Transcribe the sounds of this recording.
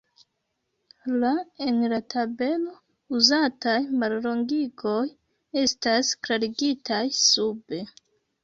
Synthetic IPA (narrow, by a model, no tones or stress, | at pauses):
lae̞nlatʰabe̞lo̞ | uzatajmallo̞ŋɡiɡo̞j | e̞staskɾaɾiɡitʰajsube̞